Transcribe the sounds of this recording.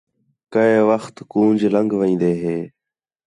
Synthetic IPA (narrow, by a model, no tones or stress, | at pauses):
kəeʋəxt̪kũːnd͡ʒʱləŋɡʋəĩːnd̪eːɦeː